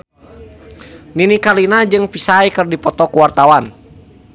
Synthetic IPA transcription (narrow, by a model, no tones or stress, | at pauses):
ninikalinad͡ʒɨŋpisajkɨrdipɔt̪ɔkuwart̪awan